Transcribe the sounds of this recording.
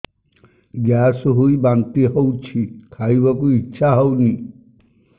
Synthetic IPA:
ɡjasɦujbant̪iɦowt͡ʃʰikʰajbɔkuitːʃʰaɦowni

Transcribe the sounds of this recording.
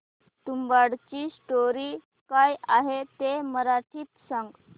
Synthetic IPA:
t̪umbaɽt͡ɕiːsʈoɾiː | kajaɦet̪eməɾaʈʰiːt̪sãŋɡ

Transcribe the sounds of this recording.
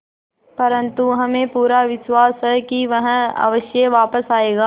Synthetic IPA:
pɐɾə̃nt̪uɦɐmẽpuːɾaʋɪʃwaːsɦɛkiʋɐɦɐ̰ʋəʃjeʋaːpəsaːeːɡaː

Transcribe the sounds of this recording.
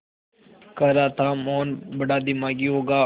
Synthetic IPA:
kəɾaːt̪ʰaːmoːnbəɽaːd̪ɪmaːɡiɦoːɡaː

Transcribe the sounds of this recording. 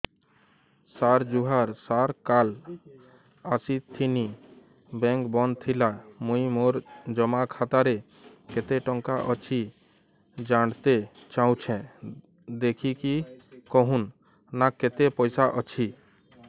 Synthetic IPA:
saɾd͡ʒuɦaɾsaɾkal | asit̪ʰːini | bɛ̃ŋkbɔnd̪t̪ʰilamũimoɾd͡ʒɔmakʰat̪aɾe | ket̪eʈɔŋkaʔɔt͡ʃʰi | d͡ʒaɽ̃t̪e | t͡ʃaw̃t͡ʃʰɛ̃ | d̪ekʰikikɔɦũn | naket̪epɔjsaʔɔt͡ʃʰi

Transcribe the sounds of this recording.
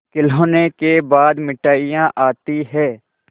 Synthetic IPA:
kɪloːnekebaːd̪mɪʈaːijãʔaːt̪iɦɛ̃ː

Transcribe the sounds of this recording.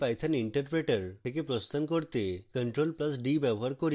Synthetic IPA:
pajt̪ʰaniɳʈəɾpɾeʈəɾʰek̬epɾɔst̪ankɔɾt̪ekəɳʈɾolpləsɖibjɛbɔɦaɾkɔɾ

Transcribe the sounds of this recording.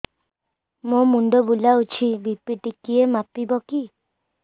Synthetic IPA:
mõmuɳɖɔbulaut͡ʃʰibipiʈikiemapibɔki

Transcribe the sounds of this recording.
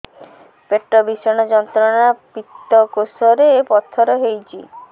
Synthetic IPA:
peʈɾɔbisɔɽ̃ɔd͡ʒɔnt̪ɾɔnapit̪ːɔkosɔɾeːpɔt̪ʰːɔɾɔɦejt͡ʃʰi

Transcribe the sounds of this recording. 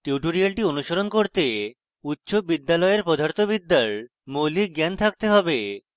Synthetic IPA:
ʈiuʈoɾialʈionuʃoɾonkoɾt̪e | utːɕobid̪ːalɔeɾpod̪ʱaɾt̪ʰobid̪ːaɭ | molik̚ɡɛnt̪ʰak̚t̪eɦɔbe

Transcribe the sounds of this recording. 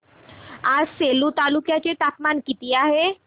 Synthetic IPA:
aːseːlut̪aːlukjat͡ʃet̪aːpmaːnkit̪ijaɦɛ

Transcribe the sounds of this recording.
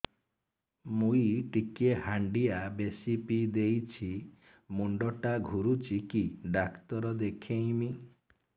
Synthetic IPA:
muiʈikehaɳɖiabesipid̪ejt͡ʃʰi | muɳɖɔʈaɡʱuɾut͡ʃʰikiɖakt̪ɔɾɔd̪ekʰẽĩmi

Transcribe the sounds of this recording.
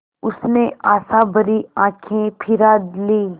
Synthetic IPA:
ʊsneʔaːsãbɐɾiãːkʰẽpʰɪɾaːd̪liː

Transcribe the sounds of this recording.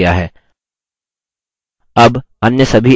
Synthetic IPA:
jaɦɛː | ɐb | ɐnjəsɐbʱi

